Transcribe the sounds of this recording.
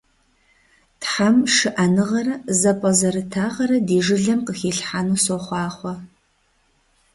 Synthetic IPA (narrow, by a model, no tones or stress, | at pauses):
tħamʂɨʔɐnɨʁɐɾɐzɐpʼɐzɐɾɨtʰaːʁɐɾɐdiːʐɨɮɐmqəxiːɬħanuːsoχʷɑːχʷɔ